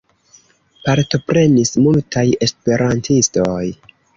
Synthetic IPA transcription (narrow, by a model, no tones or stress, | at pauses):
paɾto̞pɾe̞nismultʰaje̞spe̞ɾʔantʰisto̞j